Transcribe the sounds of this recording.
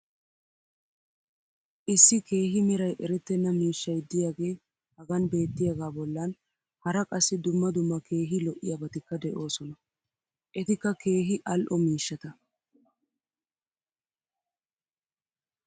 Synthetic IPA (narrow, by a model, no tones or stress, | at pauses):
ʔɪsːɪke̞ːɦɪmɪɾɐjʔɛɾɛt̪ːɛnːɐmiːʃːɐjd̪ɪjaːɡe̞ː | hɐɡɐnbe̞ːt̪ːɪjɐɡaːbɔlːɐn | hɐɾɐkʼɐsːɪd̪ʊmːɐd̪ʊmːɐke̞ːɦɪlɔʔɪjabɐt̪ɪkːɐd̪ɛʔo̞ːsɔnɐ | ʔɛt̪ɪkːɐke̞ːɦɪʔɐlʔɔmiːʃːɐt̪ɐ